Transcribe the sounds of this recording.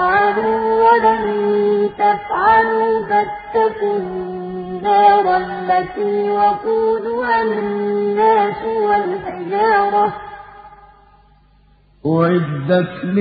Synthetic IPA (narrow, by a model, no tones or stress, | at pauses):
ʕaluːwalamt̪afʕaluːbat̪ːakʊnː | aːɾˤɑlːat̪iwaquːd̪ʊhalɪnːaːsɪwalħɪd͡ʒaːɾˤɑ | ʔʊʕɪd̪ːat̪l